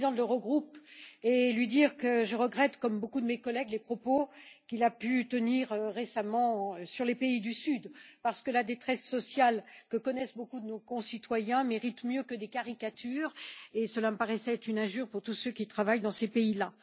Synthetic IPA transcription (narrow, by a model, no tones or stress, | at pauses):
d̪ɑ̃d̪ləʁəɡʁupelɥid̪iʁkəʒəʁəɡʁɛt̪kɔmbokud̪əmekɔlɛɡlepχɔpokʲilapyt̪əniʁʁesamɑ̃syʁlepeid̪ysyd̪paʁsə̥kəlad̪et̪χɛsːɔsjalkəkɔnɛsbokud̪ənokɔ̃sit̪wajɛ̃meʁit̪mjøkəd̪ekaʁikat̪yʁesəlaməpaʁɛsɛɛt̪χynɛ̃ʒyʁpuʁt̪usøkʲit̪χavajd̪ɑ̃sepeila